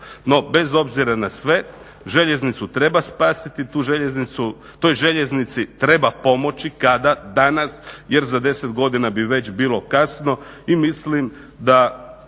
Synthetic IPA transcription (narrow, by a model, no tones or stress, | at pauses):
no̞be̞zo̞bziɾanasʋe̞ | ʒe̞ʎe̞znit̪sut̪ɾe̞baspaːsit̪it̪uːʒe̞ʎe̞znit̪su | t̪ojʒe̞ʎe̞znit̪sit̪ɾe̞bapo̞mo̞t͡ɕikad̪ad̪anasje̞ɾzad̪e̞set̪ɡo̞d̪inabiʋe̞t͡ɕbiːlˠo̞kasno̞ | imislim | d̪a